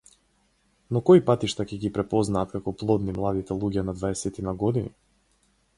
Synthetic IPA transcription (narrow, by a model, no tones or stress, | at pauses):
nɔkɔipat̪iʃt̪acɛɡipɾɛpɔznaːt̪kakɔplˠɔd̪nimlˠad̪it̪ɛlˠuɟɛnad̪vaɛsɛt̪inaɡɔd̪ini